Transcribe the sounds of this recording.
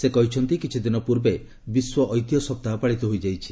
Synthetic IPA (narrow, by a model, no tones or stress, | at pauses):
sekɔɦit͡ʃʰɔnt̪ikit͡ʃʰid̪inɔpuɾbe | biswɔʔɔjt̪jɔsɔp̚t̪apaɭit̪ɔɦojd͡ʒajt͡ʃʰi̥